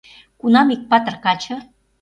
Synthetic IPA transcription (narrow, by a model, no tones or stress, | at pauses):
kunɑmik̚pɑt̪ərkɑt͡ɕʰɤ̆